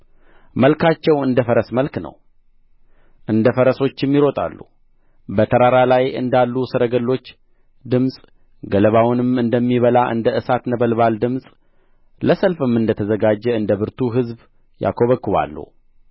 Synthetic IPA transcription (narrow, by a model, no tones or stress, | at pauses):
məlkʰat͡ʃːɛwɨnd̪əfəɾəsməlknə̰w | ʔɨnd̪əfəɾəso̞t͡ʃːɛmːiɾo̞t̪ʼa̰lːṵ | bət̪ʰəɾaɾalajʔɨ̰nd̪alːusɨɾəɡəlːo̞t͡ʃː | d̪ɨmsʼ | ɡələβawnɨmɨnd̪əmːiβəlaʔɨ̰nd̪əʔɨsat̪nəbəlβald̪ɨmsʼ | ləsəlfɨmːɨnd̪ət̪ʰəzəɡad͡ʒːɛɨnd̪əβɨɾt̪ʰuɦɨzb | ja̰kʰo̞βəkːɨβa̰lːṵ